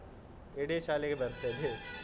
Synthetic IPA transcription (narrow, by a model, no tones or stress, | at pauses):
eɽeʃaːlekebɐɾsebʱe